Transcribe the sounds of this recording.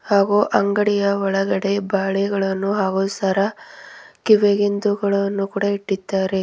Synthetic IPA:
haːɡuʔɐŋɡɐɽijɐʋɔɭɐɡɐɽe̞baːɭɛɡɐɭɐnːuɦaːɡusɐɾɐ | kiʋeɡind̪uɡɐɭɐnːukuːɽɐiʈːid̪ːaːɾe̞

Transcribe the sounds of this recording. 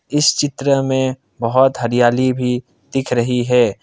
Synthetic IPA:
ɪst͡ʃɪt̪ɾəmẽ | bɐɦʊt̪ɦɐɾijaːlibʱi | d̪̥ɪkʰɾɐɦiɦɛː

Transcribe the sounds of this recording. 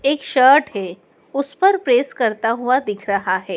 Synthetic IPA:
eːkʃəɾʈɦe | ʊspəɾpɾeːskəɾt̪aɦuad̪ɪkʰɾəɦaɦɛː

